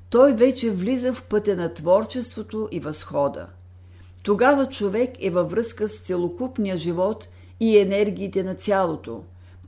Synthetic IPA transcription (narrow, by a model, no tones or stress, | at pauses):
t̪ɔjvɛt͡ʃɛvlizəfpɤt̪ʲənɐt̪vɔɾt͡ʃɛst̪vot̪oʔivɐsxɔd̪ə̰ | t̪oɡavət͡ʃovɛkɛvɐvɾɤskəst̪sɛlˠokupnijəʒivɔt̪ | iɛnɛɾɡʲiːt̪ɛnɐt̪sʲjalˠot̪o̰